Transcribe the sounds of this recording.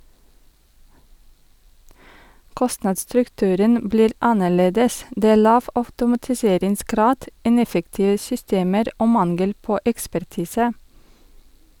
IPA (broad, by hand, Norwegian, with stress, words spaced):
ˈkɔstnɑːdsstɾʉkˌtʉːɾən ˈbliːɾ ˈɑnəˌɭeːdəs ˈdeː ˈæː ˈɭɑːʋ ɑʉtʊmɑtɪˈseːɾɪŋsˌɡɾɑːd ˈɪnɛfəktɪʋə sʏˈsteːməɾ ˈoː ˈmɑnɡəl ˈpoː ɛkspæɾˈtiːsə